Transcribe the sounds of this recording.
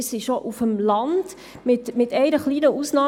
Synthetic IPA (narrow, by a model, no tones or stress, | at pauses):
siʃɔʔufəmlɑnd̥ | mɪt̪mɪt̪ɛɪɾəχliːnəʔusnɑː